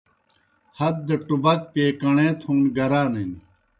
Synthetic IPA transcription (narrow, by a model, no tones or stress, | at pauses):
hɐd̪̚d̪ɐʈubɐk̚peːkɐɳẽːt̪ʰũːnɡɐɾaːnen